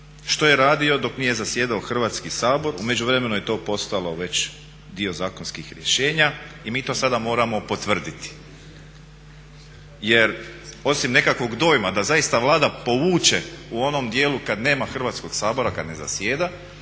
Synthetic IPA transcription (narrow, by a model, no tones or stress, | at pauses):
ʃt̪o̞je̞ɾaːd̪io̞d̪o̞knije̞zasjeːd̪aoxr̩ʋaːt̪skisaːbo̞ɾume̞d͡ʑuʋɾe̞me̞nuje̞t̪o̞ːpo̞st̪alo̞ʋe̞t͡ɕ | d̪io̞zaːko̞nskixɾjeʃe̞ːɲa | imiːt̪o̞ːsad̪amo̞ːɾamo̞po̞t̪ʋr̩d̪it̪i̥ | je̞ɾo̞simne̞kakʋo̞ɡd̪o̞ːjmad̪azaist̪aʋlˠaːd̪apo̞ʋuːt͡ʃe̞uo̞no̞md̪jeːlukad̪ne̞ːmaxr̩ʋaːt̪sko̞ɡ̥saːbo̞ɾakad̪ne̞za̰sjeːd̪a